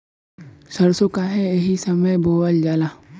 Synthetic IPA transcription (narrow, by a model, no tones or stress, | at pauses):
sɐɾsokaɦɛeɦisɐməjboːwəld͡ʒaːlaː